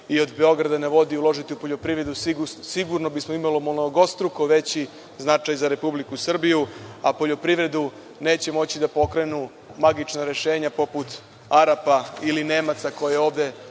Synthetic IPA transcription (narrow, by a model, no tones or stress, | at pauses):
io̞d̪be̞o̞ɡɾad̪aneʋo̞d̪iulˠo̞ʒit̪iupo̞ʎo̞pɾiʋɾe̞d̪usiɡusiɡuɾno̞bismoimalomonoɡo̞st̪ɾuko̞ʋe̞t͡ɕi | znat͡ʃajzaɾe̞publikusr̩bijua̰po̞ʎo̞pɾiʋɾe̞d̪u | ne̞ːt͡ɕe̞mo̞t͡ɕid̪apo̞kɾe̞nu | maɡit͡ʃnaɾe̞ʃe̞ːɲapo̞put̪ | aɾapailine̞ːmat̪sako̞jeo̞ːʋd̪e̞